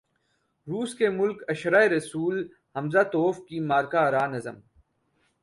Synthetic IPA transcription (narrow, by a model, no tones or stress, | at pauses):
ɾuːskemʊlkɐʃɾaːeɾɐsuːl | hɐmzaːt̪oːfkimaːɾkaɾaːnɐzə̰m